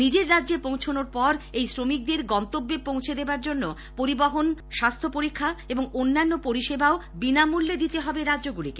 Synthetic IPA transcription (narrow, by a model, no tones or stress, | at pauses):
nid͡ʑeɾːadːʑepõw̃t͡ɕʰonoɾpɔɾejsɾomik̚d̪eɾɡɔnt̪obːepõw̃t͡ɕʰed̪ebaɾd͡ʑonːo | poɾibaɦonʃast̪ʰopoɾikʰːaeboŋonːanːopoɾiʃebaobinamulːed̪it̪eɦɔbeɾadːoɡulike